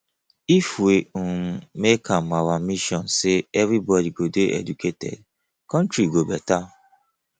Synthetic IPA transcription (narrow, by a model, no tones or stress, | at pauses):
ifuemekʰãmawamiʃɔ̃nseɛvibɔdiɡodeʔɛ̰dukʰetɛ̰d̚ | kɔ̃ntɾiɡobɛta